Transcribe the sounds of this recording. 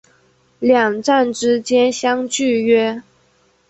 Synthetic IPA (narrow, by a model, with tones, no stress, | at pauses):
ljɑ˨˩ŋʈ͡ʂa˥˩nʈ͡ʂɻ̩˥t͡ɕjɛ˥nɕjɑ˥ŋt͡ɕy˥˧ɥɛ˥